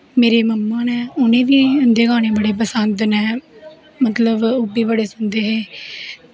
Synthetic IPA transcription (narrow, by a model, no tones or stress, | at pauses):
meːɾeːməmːaːnɛːʊnẽːʋiːənd̪eːɡaːñẽːbəɽeːp̬əsənt̪nɛː | mət̪ləbʊbiːbəɽeːsʊnd̪eːɦeː